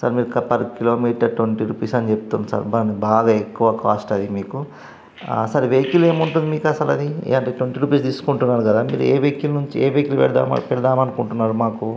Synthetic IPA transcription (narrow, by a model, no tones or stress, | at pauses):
sɐ̰ɾmiːɾukɐpɐɾkilo̞ːmiːʈɐɾʈʋoɳʈiɾuːpiːsɐnit͡ʃeput̪unusɐ̰ːɾbanibaːɡaːekːuʋɐkaːsʈɐd̪imiːku | sɐɾʋeːkile̞ːmuɳʈund̪imiːkɐsɐlɐd̪iḛːɐɳʈeːʈʋoɳʈiɾuːpiːsd̪iːsu̥kuɳʈunːaːɾukɐd̪aːmḭːɾueːʋeːkːulnuɲt͡ʃieːʋeːkilpɛ̰ɽd̪a̰ːmɐ̰pɛɽɐd̪aːmɐnukuɳʈunːaːɾumaːku